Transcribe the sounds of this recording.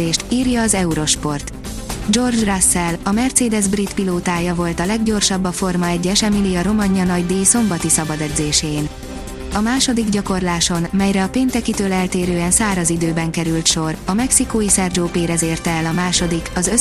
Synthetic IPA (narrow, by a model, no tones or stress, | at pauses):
eːʃt̪iːrjɒːzɛuɾo̞ʃpo̞rt̪ | d͡ʒo̞rd͡ʒrasːɛlɒmɛrt̪seːd̪ɛzbrit̪piloːt̪aːjɒvo̞lt̪ɒlɛɡɟo̞rʃɒbːɒfo̞rmɒɛɟːɛʃɛmilijɒɾo̞mɒɟɲɒnɒɟd̪eːso̞mbɒt̪isɒbɒd̪ɛd̪zeːʃeːn | ɒmaːʃo̞d̪iɡɟɒko̞rlaːʃo̞nmɛjɾɛɒpeːnt̪ɛkit̪øːlɛlt̪eːɾøːɛnsaːɾɒzid̪øːbɛŋkɛɾylt̪ʃo̞rɒmɛksikoːisɛrd͡ʒoːpeːɾɛzeːrt̪ɛɛlɒmaːʃo̞d̪ikɒzø